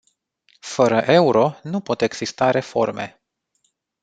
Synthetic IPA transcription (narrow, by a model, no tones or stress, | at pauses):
fəɾəʔe̞uɾo̞nupo̞t̪e̞ɡz̥ist̪aɾe̞fo̞rme̞̰